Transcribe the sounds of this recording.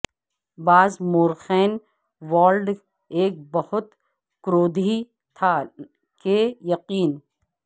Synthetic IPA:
baːzmoːɾxɛːn | ʋaːlɖ | eːk̚bɐhʊt̪ | kɾoːd̪ʱi | t̪ʰa | kejɐqiːn

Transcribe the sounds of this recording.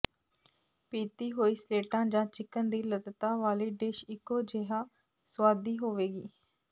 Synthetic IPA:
piːt̪iːɦoːiːsleːʈãːd͡ʒãːt͡ʃɪkənd̪iːlət̪t̪aːʋaːleːɖeːʃɪkːoːd͡ʒeɦãː | swaːd̪iːɦoːʋeːɡḭː

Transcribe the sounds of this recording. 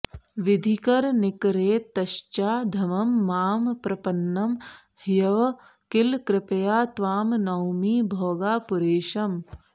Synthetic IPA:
ʋid̪ʱikɐɾnɪkɾeːt̪ɐʃt͡ʃaːd̪ʱɐmɐmːaːmpɾɐpɐnːɐm | hjɐʋɐ | kɪlkɾɪpɐjaːt̪ʋaːmnɐwmiːbʱɔːɡaːpʊɾeːʃɐm

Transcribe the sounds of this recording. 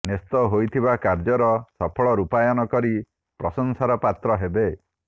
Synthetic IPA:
nest̪ɔɦojt̪ʰibakaɾd͡ʒɔɾɔsɔpʰɔɭɔɾupajɔnɔkɔɾi | pɾɔsɔŋsaɾɔpat̪ɾɔɦebe

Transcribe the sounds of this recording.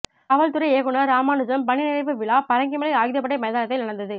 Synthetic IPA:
ɐʋɐɭt̪ɯɾɐɪeːɣɯnɐɾaːmaːnɯd͡ʒɐmpɐɳɪnɪɾɐɪpːɯʋɪɭaːpɐɾɐŋɡɪmɐlɐɪaːɣɪðɪjɐpːɐʈːɐɪmɐjðaːnɐt̪ːɐɪnɐɽɐnd̪ɐðɯ

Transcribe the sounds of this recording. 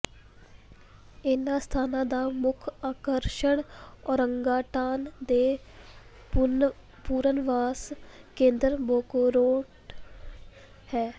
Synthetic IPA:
ɪnãːst̪ʰaːnãːd̪aːmʊkʰaːkəɾʃəɳɔːɾəŋɡaːʈaːnd̪eː | puːɾənʋaːskẽːnd̪əɾboːkoːɾoːʈ | hɛː

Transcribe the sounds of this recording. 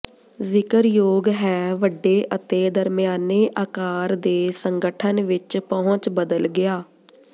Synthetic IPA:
zɪkəɾjoːɡɦɛːʋəɖːeːʔət̪eːd̪əɾmɪjaːneːʔaːkaːɾd̪eːsəŋɡəʈʰənʋɪt͡ʃpəɦʊt͡ʃbəd̪əlɡɪjaː

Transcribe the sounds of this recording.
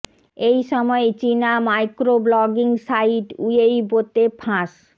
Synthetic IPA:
ejʃɔmɔet͡ɕinamajkɾoblɔɡiŋsajiʈujejbot̪epʰãʃ

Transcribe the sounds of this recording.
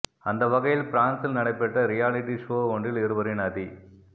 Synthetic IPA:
ɐnd̪ɐʋɐɣɐjɪlpɾaːnsɪlnɐɽɐɪpːɛʈːɐɾɪjaːlɪʈːiʂoːɔɳɖɪlɪɾɯʋɐɾɪnaːði

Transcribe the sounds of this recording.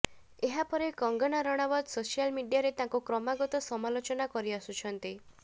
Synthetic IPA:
eɦapɔɾekɔŋɡɔɽ̃aɾɔɽ̃abɔd̪sosijalmiɖijaɾet̪ãŋkukɾɔmaɡɔt̪ɔsɔmalot͡ʃɔnakɔɾiasut͡ʃʰɔnt̪i

